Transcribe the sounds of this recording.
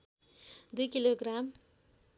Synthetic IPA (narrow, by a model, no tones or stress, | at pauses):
d̪ujkiloɡram